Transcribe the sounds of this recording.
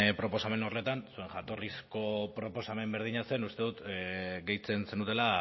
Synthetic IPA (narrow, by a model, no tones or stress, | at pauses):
pɾo̞po̞same̞no̞re̞t̪ansue̞ŋʝat̪o̞risko̞pɾo̞po̞same̞mbe̞ɾð̞iɲase̞nust̪e̞ðut̪ɡe̞jt͡se̞nsend̪ut̪e̞la